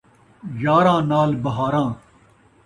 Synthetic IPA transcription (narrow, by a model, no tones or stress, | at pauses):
jaːɾãːnaːlbɐɦaːɾãː